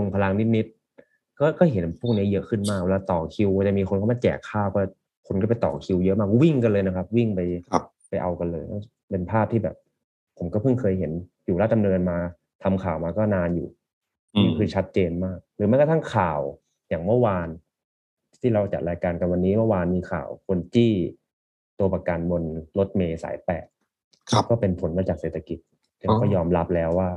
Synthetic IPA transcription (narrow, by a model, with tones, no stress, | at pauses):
lo˧ŋpʰa˧la˧ŋni˦˥t̪̚ni˦˥t̪̚ | kɔː˥˩kɔː˥˩ɦe˩˦npʰuː˥˩ŋ̚ni˦˥˩jɤ˦˥ʔkʰɯ˥˩nmaː˥˩k̚we˧laː˧t̪ɔː˨˩kʰi˧wt͡ɕa˨˩miː˧kʰo˧nkʰa˥˩ma˧˩kɛ̰ː˨˩kʰːaː˥˩wkɔː˥˩ | kʰo˧nkɔː˥˩pa˧jt̪ɔ̰ː˨˩kʰi˧wjʔmaː˥˩kwi˥˩ŋka˧nlɤː˧jna˦˥kʰa˦˥p̚wi˥˩ŋpa˧j | pa˧jʔa̰˧wka˧nlɤː˧jɔ˥˩ | pe˧npʰaː˥˩p̚t̪ʰiː˥˩bɛ̰ː˨˩p̚ʰː | o˩˦mkɔː˥˩pʰɯ˥˩ŋkʰɤː˧jɦe˩˦n | juː˨˩laː˥˩t͡ɕa˧nlɤː˧ənmaː˧ | t̪ʰa˧mkʰaː˨˩wmaː˧kɔː˥˩naː˧njṵː˨˩ | i˧˦˧kʰɯː˧t͡ɕʰa˦˥t̪̚t͡ɕeː˧nmaː˥˩k̚ɾɯː˩˦ma˥˨kɔ˧t̪ʰa˥˩ŋkʰaː˨˩w | jaː˨˩ŋmɯ˥˩˨waː˧n | t̪ʰiː˥˩ɾa˧wt͡ɕa̰˨˩t̪̚ɾaː˧jkaː˧nka˧nwa˧nːiː˦˥mɯ˥˩˨waː˧nmiː˧kʰa̰ː˨˩wkʰo˧nt͡ɕiː˥˩ | t̪u˧ɐpa˧kaː˧nbo˧nlo˦˥t̪̚meː˧sa̰ː˩˦jpɛ̰ː˨˩t̪̚ | kʰkɔː˥˩pe˧npʰo˨˩˦nmaː˧t͡ɕaː˨˩kseː˨˩t̪ʰa˧ki˨˩t̪̚ʰː | iː˥˩ɾa˧wkɔː˥˩jɔː˧mɾa˦˥p̚lɛː˦˥wːaː˥˩